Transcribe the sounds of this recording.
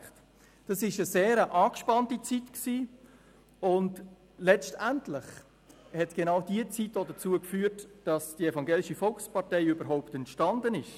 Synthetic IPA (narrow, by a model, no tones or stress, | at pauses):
t | d̥ɑsɪʃəzeːɾəʔɑːkʃpɑntit͡sitksiː | ʊnt | lɛt͡stɛntlɪχ | hɛtɡ̥enaʊdiət͡sitdoːdɐt͡suəkfyːɾtd̥ɑsd̥iefɑŋɡeːlɪʃəfɔlkspɑʁtɛɪybəɾɦaʊptɛntʃtɑndənɪʃ